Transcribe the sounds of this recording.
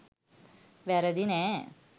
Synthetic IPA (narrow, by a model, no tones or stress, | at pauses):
ʋɛɾɐd̪ine